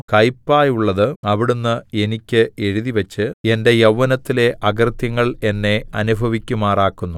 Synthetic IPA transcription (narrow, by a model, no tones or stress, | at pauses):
kɐjpːaːjuɭːɐðɨɐʋiɽunːɨe̞nikʲːɨe̞ɻuðiʋɐt͡ɕːɨe̞nde̞jɐʋːɐnɐt̪ːile̞ʔɐɡrt̪jɐŋːɐɭe̞nːe̞ɐnubʱɐʋikʲːumaːraːkːunːu